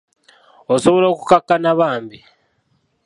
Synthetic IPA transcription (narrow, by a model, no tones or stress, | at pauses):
osoβolo̞ːkukakːanaβaːmbi